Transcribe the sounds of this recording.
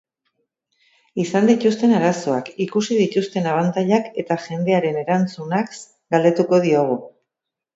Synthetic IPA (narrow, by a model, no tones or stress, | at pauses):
isand̪it̪ust̪e̞naɾaso̞akikusið̞it̪ust̪e̞naβ̞ant̪aʎake̞t̪aʝe̞nd̪e̞aɾe̞ne̞ɾant͡sunaks | ɡald̪e̞t̪uko̞ð̞io̞ɣ̞u